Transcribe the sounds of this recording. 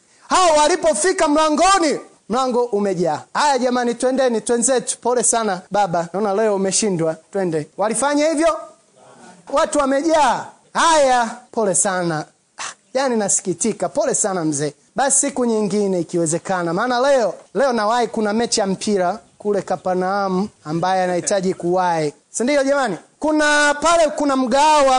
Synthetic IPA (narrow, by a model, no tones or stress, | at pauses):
haɔwalipɔfikam̩laŋɡɔni | m̩laŋɡɔʔumɛʄaːhajaʄamanitwɛndɛnitwɛnzɛtu̥pɔlɛsanaɓaɓanaɔnalɛɔumɛʃindwatwɛndɛwalifaɲahivjɔ | watuwamɛʄaː | hajapɔlɛsana | janinasi̥kitikapɔlɛsanam̩zɛː | ɓasi̥sikuɲiŋɡinɛikiwɛzɛkanamaːnalɛɔlɛɔnawaikunamɛt͡ʃɛjam̩pʰiɾakulɛkapaɾnaamuambajɛanahitaʄikuwai | sindiɔʄɛmanikunapalɛkunam̩ɡawa